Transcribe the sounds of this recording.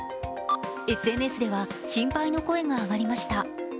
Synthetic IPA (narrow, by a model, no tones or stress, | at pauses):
e̞sɨe̞ːnɯe̞sɨd̪e̞βaɕĩmpaino̞ko̞e̞ŋaːɡaɾʲimaɕi̥t̪a